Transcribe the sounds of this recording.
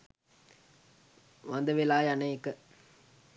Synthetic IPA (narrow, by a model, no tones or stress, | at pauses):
ʋɐnd̪ɐʋelaːjɐnɐjkːə